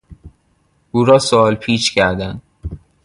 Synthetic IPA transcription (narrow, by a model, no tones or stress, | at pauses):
ʔuːɾɒːsoɒːlpʰiːt͡ʃcʰæɾd̪ænd̪